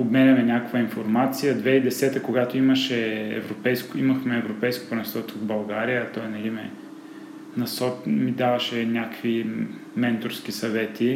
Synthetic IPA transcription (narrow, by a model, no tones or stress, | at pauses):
obmɛnʲɐmɛnʲakkvɐinfoɾmat̪sijəd̪vɛid̪ɛsɛt̪əkoɡat̪oiməʃɛɛ̰vɾopɛjskoimɐxmɛːvɾopɛjsko̥pɾnɛsɔt̪ovbɐlˠɡaɾijət̪ɔjnɐɡimɛ̰ | nɐsɔtmid̪avɐʃɛnʲakvi | mɛnt̪ʊɾsk̟isɐvɛt̪i